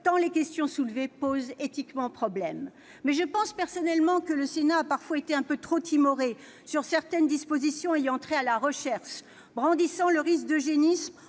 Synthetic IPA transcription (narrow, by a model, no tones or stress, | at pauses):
t̪ɑ̃lekʲɛst̪jɔ̃sulvepozet̪ikmɑ̃pχɔblɛmː | ɛʒəpɑ̃spɛʁsɔnɛlmɑ̃kələsenaːpaʁfwaet̪eɛ̃pøt̪χot̪ʰimɔʁe | syʁsɛʁt̪ɛnd̪ispozisjɔ̃iɑ̃t̪χɛalaʁəʃɛʁʃ | bʁɑ̃d̪isɑ̃ləʁisk̚d̪əʒenism